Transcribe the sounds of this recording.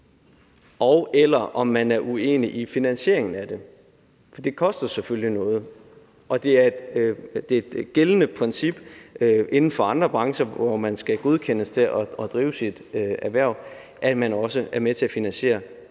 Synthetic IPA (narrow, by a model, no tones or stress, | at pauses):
ʔɒʊʔelɐʔɒ̽mːænæɐʔue̝̰ːniʔifinænɕe̝ɐeŋn̩æd̥e̝ | fɒd̥e̝kʰɒ̽sd̥ɐseføllinɔ̽ːð̞̩ˠ | ʔɒ̽d̥e̝æɐd̥d̥e̝ed̥ɡ̥elənəpʰʁɛnsib̥ʔe̝nn̩fɒ̽ɑ̈nd̥ʁɐb̥ʁɑ̈ŋɕɐʋɒmænsɡ̥æɡ̥oð̞ˠkʰenəst͡sʰe̝ʔɒɒd̥ʁiːʊsid̥æɐʋæɐ̰ | ʔæ̥mænɒ̽səæɐmet͡sʰe̝æfinænɕe̝̰ːɐ